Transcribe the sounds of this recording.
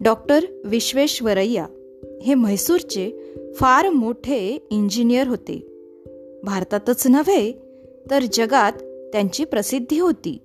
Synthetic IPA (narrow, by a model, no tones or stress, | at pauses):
ɖɔk̚ʈəɾʋiɕʋeɕʋəɾəjːa | heməjsuɾt͡ɕefaɾmoʈʰeiɲd͡ʑinijəɾɦot̪ḛ | bʱaɾt̪at̪ət͡snəʋej | t̪əɾd͡ʑəɡat̪ːjãɲt͡ɕiːpɾəsid̪ʱːiɦot̪ḭː